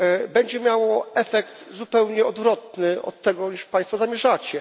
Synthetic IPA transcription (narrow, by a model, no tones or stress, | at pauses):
bɛɲd͡ʑɛmʲjawɔɛfɛkt̪zupɛwɲɛɔd̪vɾɔt̪̚nɘɔ̰t̪ːɛɡɔɲiʂpãj̃st̪fɔzamʲjɛʐat͡ɕɛ